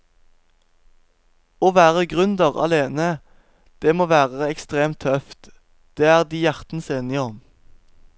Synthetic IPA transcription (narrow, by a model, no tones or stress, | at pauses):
oːʋæːʁəɡʁʉnd̪əʁɑ̰leːnə | d̪̥eːmoːʋæːʁəɛkst̪ʁeːmt̪ʰœft̪ | d̪̥eːæːʁd̪iːjæʁt̪n̩seːnɪɔm